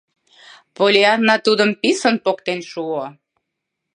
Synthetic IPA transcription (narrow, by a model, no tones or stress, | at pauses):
polʲeɑnːɑt̪ud̪əmpisənpokt̪enʃuo